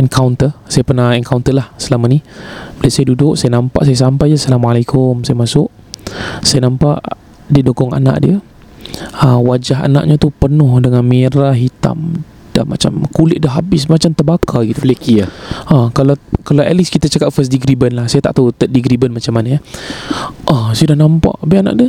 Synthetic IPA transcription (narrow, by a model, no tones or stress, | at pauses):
ʔɛnkʰawnt̪əsajapərnahɛŋkawnt̪əlahsəlamanibilasajadudʊʔsajanãmpa̰ʔsajas̬ampajasalamualakʰʊmsajamasʊʔ | sajanampa̰ʔ | didokɔŋa̰na̰ʔdiə | əwad͡ʒaɦa̰na̰ʔɲat̪upənʊhdəŋanmeɾaɦit̪a̰m | d̥ama̰t͡ʃa̰mkulɪʔ̪̚dəɦabɪsmat͡ʃamt̪əbakʰaɡit̪ulekiaakalakalawɛliskit̪at͡ʃakat̪̚fəs̬diɡɾibənlahsajat̪a̰ʔt̪aut̪ədiɡɾibənmat͡ʃamːanaja | ʔasajadahnãmpa̰ʔbiana̰ʔdiə